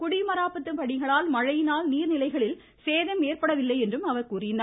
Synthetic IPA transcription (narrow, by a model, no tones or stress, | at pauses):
kʊɽɪmɐɾaːpɐt̪ːɯmpɐɽɪɣɐɭaːlmɐɻɐjɪnaːlniːɾnɪlɐɪɣɐɭɪl | seːðɐmeːɾpɐɽɐʋɪlːɐɪɛndrɯmɐʋɐɾkuːɾɪna